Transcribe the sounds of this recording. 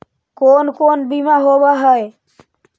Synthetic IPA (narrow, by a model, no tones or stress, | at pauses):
koːnkoːnbimaɦobaɦəe